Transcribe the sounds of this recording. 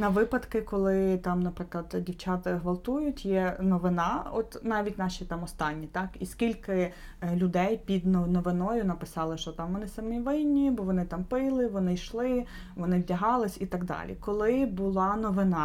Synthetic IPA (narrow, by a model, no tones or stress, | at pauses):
nɐʋɪpɐd̪kɪkɔlˠɪt̪ɑmnɐpɾɪklˠɐd̪dʲiwt͡ʃɑt̪ɪɦʋɐlˠt̪ujʊtʲjɛnɔʋɪnɑɔt̪nɑʋʲitʲnɑʃʲit̪ɑmɔst̪ɑnʲːit̪ɑkiskʲilʲkɪ | lʲʊd̪ɛjpʲid̪nnɔʋɪnɔjʊnɐpɪsɑlˠɪʃt͡ʃɔt̪ɑmʋɔnɪsɐmiʋɪnʲːibɔʋɔnɪt̪ɑmpɪlˠɪʋɔnɪjʃlˠɪ | ʋɔnɪʋʲdʲɐɦɑlˠɪsʲit̪ɐɡd̪ɑ̰lʲḭkɔlˠɪbʊlˠɑnɔʋɪnɑ